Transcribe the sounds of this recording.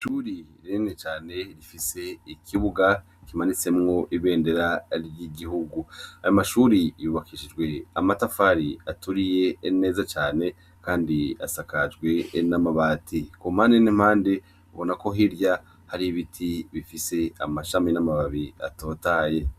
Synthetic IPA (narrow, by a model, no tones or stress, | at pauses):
ʃuɾiɾinet͡ʃaːne̞ɾifise̞ikʰiβuɡa | kimanit͡se̞mŋo̞ʔiβe̞ːnde̞ɾaɾjiɡiɦuɡuajamaʃuːɾijuːβakiʃid͡ʒɡwe̞amatafaɾiatuɾije̞ːne̞ːzat͡ʃaːne̞ | kaːndia̰sakad͡ʒɡwe̞namaβaːtʰikumhaːndenim̥haːnde̞ | βo̞nako̞ɦiɾja | haɾiβitʰiβifise̞a̰maʃaminamaβaβia̰to̞ːtaːje̞